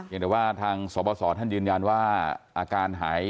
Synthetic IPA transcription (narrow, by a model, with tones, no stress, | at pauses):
i˩˦ŋt̪ɛ˨˩waː˥˩t̪ʰaː˧ŋsɔː˩˦bɔː˧sɔː˩˦t̪ʰa˥˩njɯː˧nja˧nwaː˥˩ʔaː˧kaː˧nɦaː˩˦j